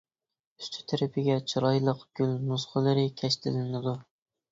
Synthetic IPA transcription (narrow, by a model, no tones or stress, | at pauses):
yst̪ʰy̥t̪ʰæɾɪpʰɪɡʲɛt͡ʃʰɪɾɑjlˠɨqɡ̥ʲylnusqʰəlˠɨɾɪkʲʰɛʃt̪ʰɪlɪnɪd̪ʊ